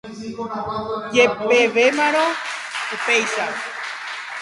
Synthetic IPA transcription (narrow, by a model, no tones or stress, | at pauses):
d͡ʒepeʋemãɾ̃õ | upejʃa